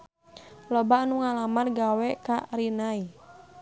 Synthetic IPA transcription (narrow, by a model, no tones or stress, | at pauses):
lɔbanuŋalamanɡawɛkaɾinai